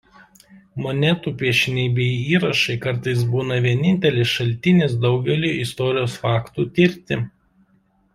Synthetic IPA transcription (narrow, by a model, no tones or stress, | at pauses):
mɔnʲɛt̪uːpʲiɛʃʲɪnʲɛɪbʲɛɪiːɾɐʃɐɪkɐɾt̪ɐɪs̬buːnɐʋʲiɛnʲɪnʲt̪ʲɛlʲesʃɐlʲt̪ʲɪnʲeːsd̪ɒʊɡʲɛlʲuːɪst̪ɔːɾʲɪjoːsfɑːkt̪uːt̪ʲɪɾʲt̪ʲɪ